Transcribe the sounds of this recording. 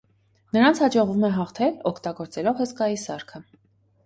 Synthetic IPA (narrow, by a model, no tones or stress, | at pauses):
nəɾɑnt͡sʰhɑd͡ʒɔʁvumɛɦɑχt̪ʰɛlɔkʰt̪ɑɡɔɾt͡sɛlɔvhəskɑjisɑɾkʰə